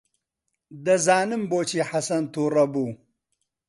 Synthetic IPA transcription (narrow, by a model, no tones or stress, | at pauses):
d̪ɐzaːnɨmboːt͡ʃiːħasɐnt̪uːrɐbuː